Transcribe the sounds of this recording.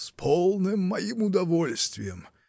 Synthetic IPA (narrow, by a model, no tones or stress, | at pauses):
spʰolˠnɨmːɐimʊd̪ɐvolʲst̪vʲɪjəm